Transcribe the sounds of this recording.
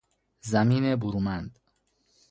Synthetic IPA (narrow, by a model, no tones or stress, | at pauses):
zæmiːnebuɾuːmænd̪